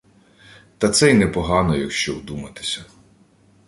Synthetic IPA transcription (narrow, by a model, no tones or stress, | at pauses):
t̪ɐt̪sɛjnɛpɔɦɑnɔjɐkʃt͡ʃɔwd̪umɐt̪ɪ̥sʲɐ